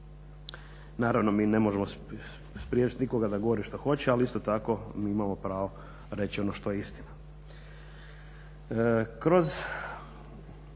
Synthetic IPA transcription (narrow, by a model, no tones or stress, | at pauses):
naːɾaʋno̞miːne̞mo̞ʒemo | spɾijet͡ʃi̥t̪niko̞ɡad̪aɡo̞ʋoɾiʃt̪oxo̞t͡ɕealiist̪ot̪ako̞miːimamo̞pɾaːʋo̞ | ɾe̞t͡ɕio̞noʃt̪o̞jeist̪ina | kɾo̞z